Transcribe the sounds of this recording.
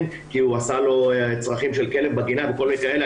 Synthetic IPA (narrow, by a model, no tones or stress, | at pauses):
n | kiuasalo̞t͡sʁaχimʃelke̞lembaɡinaveko̞lmikaele